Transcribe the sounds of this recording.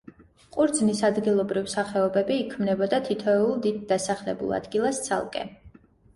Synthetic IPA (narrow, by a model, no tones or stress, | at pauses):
qʼuɾd̪znisad̪ɡilˠɔbɾivsaχɛɔbɛbiːkʰmnɛbɔd̪at̪ʰit̪ʰɔɛulˠd̪id̪̚ːasaχlɛ̰bṵlˠa̰d̪̥ɡilˠast̪sʰa̰lˠkʼɛ̰